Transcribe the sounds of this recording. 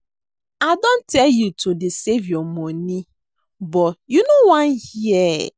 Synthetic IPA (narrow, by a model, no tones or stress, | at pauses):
adõntɛljutʰodɪsevjɔmɔni | bɔjunowãnhiɛ